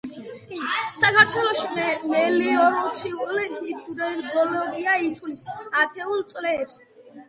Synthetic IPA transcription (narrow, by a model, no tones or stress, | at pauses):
sakʰaɾt̪ʰwɛlˠɔʃimɛliɔɾɔt̪sʰiulihid̪ɾɛɾɡɔlɔɡiait̪ʰulisat̪ʰɛulˠt̪sʼlɛːps